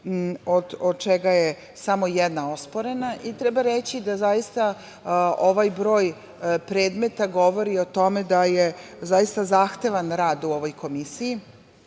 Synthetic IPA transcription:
od̪od̪t͡ʃeɡaje | samo̞jɛd̪nao̞spo̞ɾe̞naʔit̪ɾɛbaɾet͡ɕid̪azajist̪a | oʋajbɾo̞ːj | pɾe̞ːd̪me̞t̪aɡo̞ʋo̞ɾio̞t̪o̞med̪aje | zajist̪azaxt̪e̞ʋanɾaːd̪uo̞ʋo̞jkʰo̞misiji

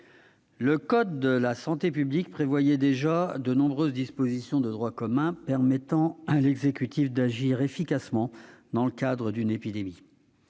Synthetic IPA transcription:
ləkɔd̪ːəlasɑ̃t̪epyblik̚pχevwajɛd̪eʒad̪ənɔ̃bʁøzd̪ispozisjɔ̃d̪əd̪ʁwakɔmɛ̃pɛʁmɛt̪ɑ̃alɛɡzekʲyt̪ifd̪aʒiʁefikʲasmɑ̃d̪ɑ̃ləkad̪ʁəd̪ynepid̪emi

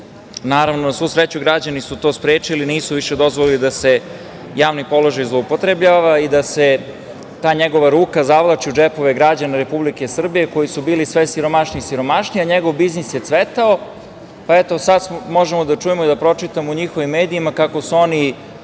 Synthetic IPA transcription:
naːɾaʋnosʋusɾet͡ɕuɡɾad͡ʑanisut̪o̞ːspɾeːt͡ʂiliniːsuʋiʃed̪o̞zʋolilid̪ase̞ | jaːʋnipo̞lˠo̞ʒajzlˠoupot̪ɾebʎaːʋaid̪ase | t̪aːɲeɡo̞ʋaɾuːkazaʋlˠat͡ʃiud͡ʒepo̞ʋe̞ɡɾad͡ʑanaɾe̞publike̞sr̩bije̞ko̞jisubiːlisʋesiɾo̞maʃnisiɾo̞maʃniaɲeɡo̞ʋbiznisjet̪sʋet̪ao | paet̪o̞sad̪smo̞ʒemod̪at͡ʂujemoid̪apɾo̞t͡ʂit̪amouɲixoʋimːeːd̪iimakako̞suo̞ni

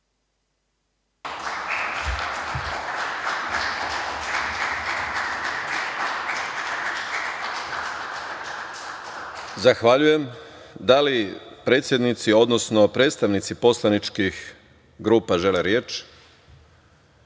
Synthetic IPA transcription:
zaxʋaʎujem | d̪alipɾe̞ːt̪sje̞d̪nit̪sio̞d̪nosnopɾe̞ːt̪st̪aʋnit̪sipo̞slˠanit͡ʃkix | ɡɾuːpaʒe̞leɾje̞ːt͡ʃ

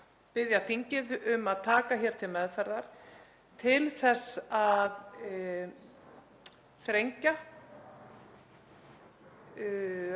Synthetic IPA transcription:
pɪðjaθiɲcɪðʏmaðt̪ʰaːkaçɛɾ̥t̪ʰɪlmɛðfɛɾðaɾ̥ | t̪ʰɪlθɛsað | θɾejɲca

